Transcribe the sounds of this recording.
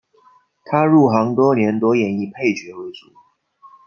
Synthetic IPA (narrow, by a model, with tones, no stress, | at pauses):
t̪ʰa˥ɻu˥˩xɑ˧˥ŋt̪wɔ˥njɛ˧˥nt̪wɔ˥jɛ˧˥ni˥˧pʰe˥˩ɪt͡ɕɥɛ˧˥we˧˥ɪt͡su˨˩˦